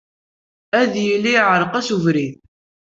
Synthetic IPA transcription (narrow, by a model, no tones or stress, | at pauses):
æðjilːijʕɾˤəqæsuvɾiθ